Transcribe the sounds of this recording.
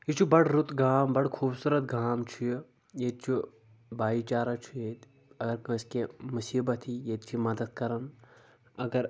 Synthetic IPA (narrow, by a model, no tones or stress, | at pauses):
jit͡ʃʰubɐɽɾut̪ɡaːmbɐɽkʰuːbsuɾɐt̪̚ɡʱaːmt͡ʃʰuji | jet̪̚t͡ʃʰu | baːit͡ʃaːɾɐt͡ʃʰujet̪ | ɐɡɐɾkɐ̃skemusiːbɐt̪ʰijet̪̚t͡ʃʰimɐd̪ɐd̪̚kɐɾɐn | ɐɡɐɾ